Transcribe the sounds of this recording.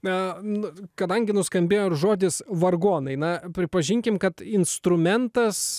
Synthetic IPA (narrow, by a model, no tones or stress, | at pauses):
ɐnʊkɐd̪ɐŋʲɡʲɪnʊskɐmʲbʲeːjoːʒoːd̪ʲɪsʋɐrɡoːnɐɪnɐpʲɾʲɪpɐʒʲɪŋʲkʲɪmkɐt̪ɪnst̪ɾʊmʲɛnt̪ɐs